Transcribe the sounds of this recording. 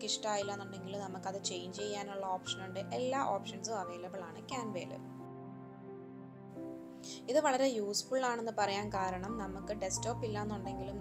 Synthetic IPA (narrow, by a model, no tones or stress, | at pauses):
kiʂʈaːjilːɐnːuɳɖe̞ŋɡilumnɐmukːɐðɨt͡ɕe̞jnɲd͡ʑt͡ɕe̞jːaːnuɭːɐo̞ːpʂɐnuɳɖɨʔe̞lːaːʔo̞ːpʂɐnsɨɐʋeːlɐbɐɭaːɳɨkʲaːnʋḛːlɨ̰ | iðɨʋɐɭɐɾe̞juːsfuɭːaːɳe̞nːɨpɐrɐjaːnkaːɾɐɳɐmnɐmukːɨɖe̞sto̞ːpːilːaːenːuɳɖe̞ŋɡilum